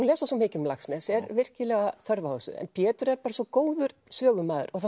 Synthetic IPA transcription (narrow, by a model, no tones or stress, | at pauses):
unlɛːsasɔmɪːcʏmlaxsmɛsɛɾvɪr̥cɪlɛːɣaθœɾvaosʏ̰ɛ̰npʰjɛːt̪ʏɾɛɾpaːɾasɔkoːwðʏɾsœːɣʏmaːðʏ̰ɾɔɣθa